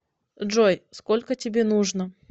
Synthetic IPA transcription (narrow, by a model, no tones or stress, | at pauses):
ʐojskolʲkətʲɪbʲenuʐnə